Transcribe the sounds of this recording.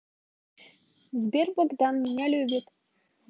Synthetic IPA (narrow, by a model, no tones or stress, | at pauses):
zʲbʲerʲbŏɡd̪ɑnmʲinʲælʲybʲĭt̪ʲ